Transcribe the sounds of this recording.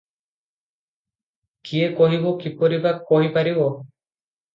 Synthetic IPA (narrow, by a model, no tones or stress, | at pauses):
kiekɔɦibɔkipɔɾibakːɔɦipaɾibɔ